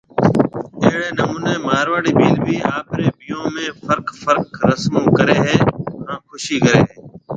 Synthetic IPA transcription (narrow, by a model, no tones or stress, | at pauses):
eɦɽeːnəmũːneːmaːɾʋaːɽiːbiːlbʱiːaːpɾeːbɪjõːmẽːfəɾkfəɾkɾəsmõːkəɾeːɦɛːɦãːkʰʊʃiːkəɾeːɦeː